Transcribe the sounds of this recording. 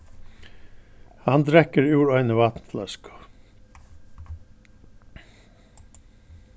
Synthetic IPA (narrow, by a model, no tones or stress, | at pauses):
hand̪ɾɛkəɾʉːɾœʏnəʋat̪nət̪ʰlœskʊ̥